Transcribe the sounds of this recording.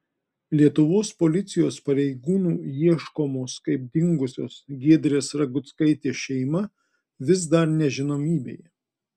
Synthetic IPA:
lʲiɛt̪ʊʋoːspolʲɪt̪sʲɪjoːspɐɾʲɛɪɡuːnuːiɛʃkoːmoːskɐɪp̚d̪ʲɪŋɡʊsʲo̰ːsɡʲiɛd̪ʲɾʲeːsɾɐɡʊt̪skɐɪt̪ʲeːʃʲɛɪmɐ | ʋʲɪsd̪ɐɾnʲɛʒʲɪnoːmʲiːbʲḛj

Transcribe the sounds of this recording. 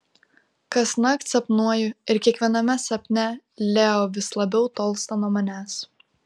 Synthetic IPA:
kɐsnɐkt̪sɐpnuɔjʊɪɾkʲiɛkʋʲiɛnɐmʲɛsɐpʲnʲɛ | lʲeːoːʋʲɪslˠɐbʲɛʊt̪oːlˠst̪ɐnuɔmɐnʲæːs

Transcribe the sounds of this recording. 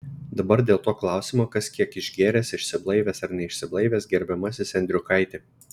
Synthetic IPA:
d̪ɐbɐɾd̪ʲeːlˠt̪oːklˠɑˑʊsʲɪmoːkɐskʲiɛkɪʒʲɡʲeːɾʲɛːsɪʃʲsʲɪblˠɐɪʋʲɛːsɐɾnʲɛɪʃʲsʲɪblˠɐɪʋʲeːsɡʲɛɾʲbʲɛmɐsʲɪsʲɛnʲd̪ʲɾʲʊkɐɪt̪ʲeː

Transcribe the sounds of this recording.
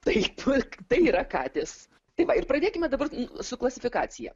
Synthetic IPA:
t̪ɐɪpt̪ɐɪiːɾɐkɑːt̪ʲɪs | t̪ɐɪʋɐɪrpɾɐd̪ʲeːkʲɪmʲɛd̪ɐbɐrnʊsʊklˠɐsʲɪfʲɪkɑːt̪sʲɪjɛ̰

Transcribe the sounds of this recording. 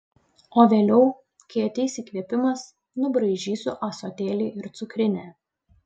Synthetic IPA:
oːʋʲeːlʲɛʊ | kʲiɛt̪ʲɛɪsʲiːkʋʲiɛpʲɪmɐs | nʊbɾɐɪʒʲiːsʊʔɐsoːt̪ʲeːlʲiːʔɪɾt̪sʊkɾʲɪnʲæː

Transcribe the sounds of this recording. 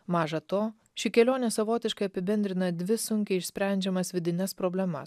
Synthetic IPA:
mɑːʒɐt̪oː | ʃʲɪkʲɛlʲoːnʲeːsɐʋoːt̪ʲɪʃkɐɪɐpʲɪbʲɛnd̪ʲɾʲɪnɐd̪ʲʋʲɪsʊŋʲkʲɛɪɪʃʲsʲpʲɾʲæˑnʲd͡ʒʲɛmɐsʋʲɪd̪ʲɪnʲɛspɾoːbʲlʲɛmɐ̰s

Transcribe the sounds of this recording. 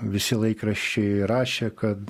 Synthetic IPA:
ʋʲɪsʲɪlˠɐɪkrɐʃʲt͡ʃʲɛɪɾɑːʃʲekɐt̪

